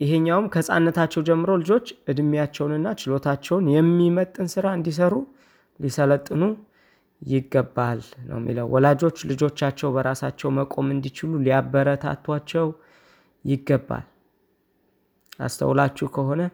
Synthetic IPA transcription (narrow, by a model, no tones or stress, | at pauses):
jɪɦeɲːawmkʰəsʼa̰nːət̪ʰat͡ʃːɛwd͡ʒɛmːɨɾolɨd͡ʒo̞t͡ʃːʔɨd̪mijat͡ʃːɛwnɨnːat͡ʃɪlo̞t̪ʰat͡ʃːɛwnjɛmːimət̪ʼːɨnsɨɾaɨnd̪is̬əɾu | lisələt̪ʼːɨnu | jɪɡːəbːalnə̰wmːḭləwwʔɔlad͡ʒo̞t͡ʃːlɨd͡ʒo̞t͡ʃːat͡ʃːɛwbəɾasat͡ʃːɛwməkʼo̞mɨnd̪it͡ʃɪluliabːəɾət̪ʰa̰t̪ʰːwat͡ʃːɛw | jɪɡːəbːa̰l | ʔa̰st̪ʰə̰wlat͡ʃːukʰəho̞nə